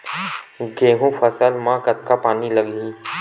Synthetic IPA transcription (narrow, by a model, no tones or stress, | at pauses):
ɡeːɦũfʰəsəlmãːkət̪kapaːnilɐɡĩː